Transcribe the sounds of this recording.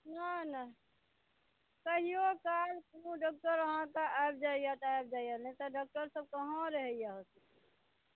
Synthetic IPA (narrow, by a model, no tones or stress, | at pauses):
nana | kəɦijokalkũɖɔːk̚ʈəɾəɦãkaʔab̚d͡ʒaːijat̪ɛb̚d͡ʒaːijanɛ̃t̪ɔɖɔk̚ʈəɾsəb̚kəɦãɾəɦəijaɦosik